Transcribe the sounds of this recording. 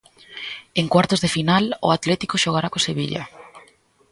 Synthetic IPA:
eŋkwaɾt̪ʊzðefinalʊat̪lɛt̪i̥koʃoɣaɾakoseβiʎa̰

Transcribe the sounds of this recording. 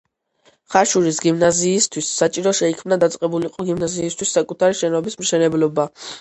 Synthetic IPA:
χaʃuɾisɡimnaziːst̪ʰwisːat͡ʃʼiɾɔʃɛikʰmnad̪at̪sʼqʼɛbuliqʼɔɡimnaziːst̪ʰwisːakʼut̪ʰaɾiʃɛnɔbismʃɛnɛblɔba

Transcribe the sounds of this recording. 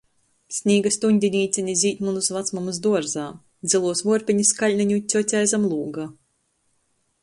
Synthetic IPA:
sʲnʲiːɡast̪uɲʲd̪ʲinʲiːt̪sʲɛnʲizʲiːt̪ʲmunusvat̪smumuzd̪uɔɾzaː | d̪zilˠuɔsvuɔɾpʲiɲiskalʲniɲʲut̪ʲɔt̪ʲajzamlˠuːɡa

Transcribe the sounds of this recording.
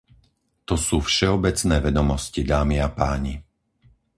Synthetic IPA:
t̪ɔsuːfʃɛɔbɛt͡snɛːʋɛd̪ɔmɔscid̪aːmiapaːɲi

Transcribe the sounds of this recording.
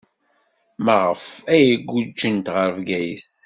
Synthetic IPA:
məʁəfæjəɡʷːud͡ʒːənt̪ʁəɾvɡæjḭs

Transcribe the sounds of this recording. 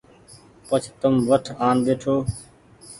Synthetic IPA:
pət͡ʃʰt̪əmʋəʈʰaːnbeːʈʰoː

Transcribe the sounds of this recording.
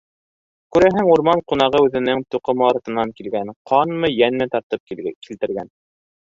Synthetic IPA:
kʉɾæɦɘŋuɾmɑɴqun̪ɑʁɤʉðɘ̆nɘŋt̪uqɤmɑɾɑt̪ɤ̆nːɑŋkilɡænqʰɑnmɤjænmɘt̪ɑɾt̪ɤp̚kilt̪ɘ̆ɾɡæn

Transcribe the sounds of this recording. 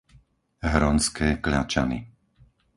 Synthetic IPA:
ɦɾɔnskɛːklat͡ʃa̰nḭ

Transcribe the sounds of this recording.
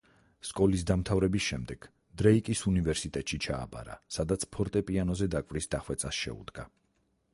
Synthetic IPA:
skʼɔlis̬d̪amt̪ʰavɾɛbisʃɛmd̪ɛɡ̥ | d̪̥ɾɛikʼisunivɛɾsit̪ʼɛt̪ʼʃit͡ʃʰa̰ːba̰ɾa̰sad̪at̪sʰpʰɔɾt̪ʼɛpʼianɔzɛd̪akʼvɾisd̪aχwɛt̪sʼasʃɛ̰ṵd̪ɡa

